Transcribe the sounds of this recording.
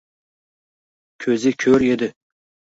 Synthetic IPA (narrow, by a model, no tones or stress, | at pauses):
kʲʰɵzɪkʲʰøɾed̪ɪ